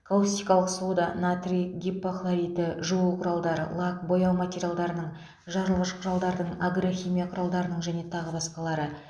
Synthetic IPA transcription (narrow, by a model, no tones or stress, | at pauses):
kʰolˠost̪ijkɑlˠəqsod̪ɑnat̪rʲiɡ̪ʲipːoxlˠaɾʲit̪əʒuuqʰʊɾɑlˠd̪ɑɾə̰lˠakbo̞jɑwmat̪ʲe̞ɾʲijalˠd̪ɑɾənəɴ | ʒɑɾəlˠʁəʃqʰʊɾɑlˠd̪ɑɾd̪əɴaɡɾoxʲimʲijaqʰʊɾɑlˠd̪ɑɾənəɴʒæne̞t̪ʰɑʁəbɑsqɑlˠɑɾə